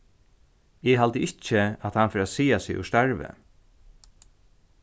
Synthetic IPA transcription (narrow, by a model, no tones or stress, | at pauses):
ɪɦalt̪əɪt͡ʃəat̪hanfɪːɾasiːasɪʊ̰st̪aɹʋə̰